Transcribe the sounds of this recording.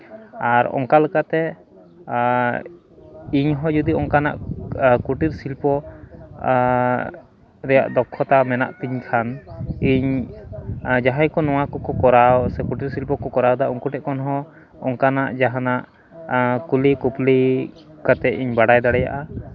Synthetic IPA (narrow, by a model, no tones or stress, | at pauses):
aɾɔ̰ŋkalɛkat̪ɛ | iɲɦɔd͡ʒud̪iɔŋkana̰ʔkuʈiɾsilpɔ | ɾɛja̰ʔd̪ɔkʰːɔt̪amɛna̰ʔt̪iɲkʰaniɲ | d͡ʒaɦajkɔnɔw̃akɔkɔkɔɾawsɛkuʈiɾsilpɔkɔkɔɾawd̪aɔŋkuʈɛʔkɔnɦɔ̃ | ɔŋkanaʔd͡ʒaɦanaʔ | kulikupli | kat̪ɛiɲbaɽajd̪aɽɛja̰ʔa